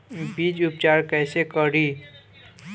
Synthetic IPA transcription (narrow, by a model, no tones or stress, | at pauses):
bid͡ʒʊpt͡ʃaɾkɛɪsekəɾi